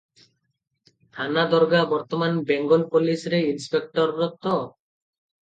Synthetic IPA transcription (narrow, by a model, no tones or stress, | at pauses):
t̪ʰanad̪ɔɾɡabɔɾt̪ɔmanbeŋɡɔlpolisɾeinspek̚ʈɔɾːɔt̪ɔ